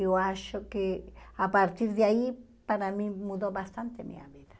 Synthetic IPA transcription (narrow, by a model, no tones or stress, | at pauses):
oaʃokeapaɾt̪iɾðeai | paɾamĩmuðoβast̪ant̪emḭa̰βiða